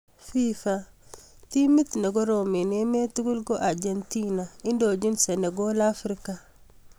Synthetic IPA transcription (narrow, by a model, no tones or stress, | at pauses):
fifa | timit̪neɡoɾominemetuɡulɡoʔaɾɟentinaindoɟinseneɡolafɾika